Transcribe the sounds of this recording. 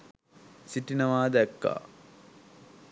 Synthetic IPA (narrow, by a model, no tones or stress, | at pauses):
siʈinɐʋaːd̪ækːa̰ː